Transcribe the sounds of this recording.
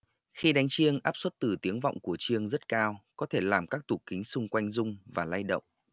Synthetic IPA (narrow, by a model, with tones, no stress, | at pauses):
xi˧ɗa˨˦ŋ̟t͡ɕi˧əŋʔaː˦˥p̚swə˦˥t̚t̪ɨ˨˩t̪i˨˦əŋva̰˧˨wŋ͡mku˧˩ət͡ɕi˧əŋzə˦˥t̚kaː˧wkɔ˨˦t̪ʰe˧˩laː˨˩mkaː˦˥k̚t̪u˨˩kï˨˦ŋ̟sʊ˧ŋ͡mkwa˧jŋ̟zʊ˧ŋ͡mvaː˨˩laː˧jɗə̰˧˨wŋ͡m